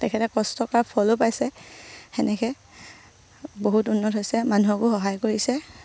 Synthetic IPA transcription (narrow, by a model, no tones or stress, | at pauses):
tɛkʰɛtɛkɔstɔkɔɹapʰɔlopajsɛxɛnɛkɛ | boɦutunːɔtɦojsɛmanuakʊxɔɦajkoɹisɛ